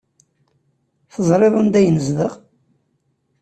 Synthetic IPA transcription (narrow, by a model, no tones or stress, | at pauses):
θəzˤɾˤeðˤənd̪æjnəzðəʁ